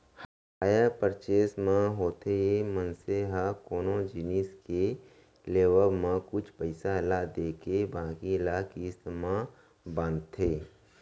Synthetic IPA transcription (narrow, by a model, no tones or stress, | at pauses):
h | aːjapəɾt͡ʃeːsmãɦoːt̪ejemənseɦakoːnõd͡ʒiniske | leːʋəmãkʊt͡ʃʰpəɪsalad̪eːkebãːkilakismã | bãːnt̪ʰeː